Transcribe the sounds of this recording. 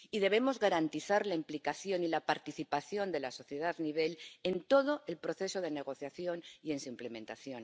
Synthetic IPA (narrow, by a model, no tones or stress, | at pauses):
iðe̞β̞e̞mo̞zɣaɾant̪iθaɾlaimplikaθjo̞nilapaɾt̪iθipaθjo̞nd̪e̞laso̞θjeð̞aðniβ̞e̞le̞nt̪o̞ð̞oʔe̞lpɾo̞θe̞so̞ð̞e̞ne̞ɣ̞o̞θjaθjo̞nie̞nsuimplemẽnt̪aθjo̞n